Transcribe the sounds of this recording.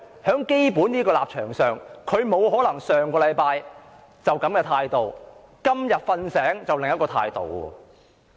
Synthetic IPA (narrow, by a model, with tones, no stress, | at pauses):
hœː˨˥ŋke˥jpuː˨˥nniː˥kɔː˧laː˨p̚t͡ʃʰœː˨˩ŋsœː˨ŋkʰɵ˨˧ɥmo˨˧wɦɔː˨˥lɐ˨˩ŋsœː˨ŋkɔː˧lɐ˨˧jpaː˧j | t͡sɐ˨wkɐ˨˥mkɛː˧t̪ʰaː˧jt̪o˨w | kɐ˥mjɐ˨t̚fɐ˧nsɛː˨˥ŋt͡sɐ˨wlɪ˨ŋjɐ˥t̚kɔː˧t̪ʰa̰ː˧jt̪o̰˨˩wɔ̰ː˧